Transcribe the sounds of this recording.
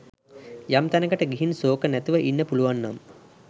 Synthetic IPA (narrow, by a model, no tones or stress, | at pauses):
jamt̪ænəkəʈəɡiɦinsoːkənæt̪uʋəʔinːəpuluʋanːam